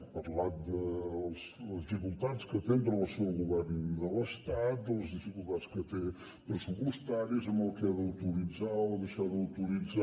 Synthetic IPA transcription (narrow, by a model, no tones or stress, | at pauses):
pəɾlat̪̚d̪əlˠzəzðifikulˠt̪at̪skət̪emp̪ɾəəlsɛwɣuβɛrnd̪ələst̪at̪̚d̪ələzðifikulˠt̪atskət̪e | pɾəsupust̪aɾizəməlˠkɛðəwt̪uɾid͡zaoəðəʃaðəwt̪uɾid͡za